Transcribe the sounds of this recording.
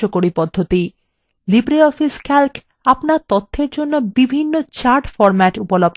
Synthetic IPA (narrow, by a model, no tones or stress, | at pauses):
okoɽipɔd̪ʱːot̪i | libɾeɔfiskalk | apnaɾt̪ot̪ʰːeɾd͡ʑonːobibʱinːot͡ɕaɾʈfɔɾmɛʈupolob̚